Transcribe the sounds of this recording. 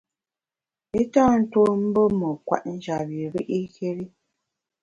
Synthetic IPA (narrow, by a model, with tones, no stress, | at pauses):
i˦ta˦n̩˦to˦m̩˦bə˦mə˨kwa̰˦˨ʔn̩˦d͡ʒa˨bi˨ɾi˦ʔi˦ke˦ɾi˦